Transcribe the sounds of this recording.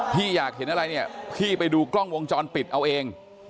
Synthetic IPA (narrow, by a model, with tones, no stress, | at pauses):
t̪ʰiː˥˩jaː˨˩k̚he˩˦nʔa˧ɾa˧jni˥˩ɐpʰiː˥˩pa˧jduː˧klɔ˥˩ŋwo˧ŋt͡ɕɔː˧npi˨˩t̪̚ʔa˧wʔeː˧ŋ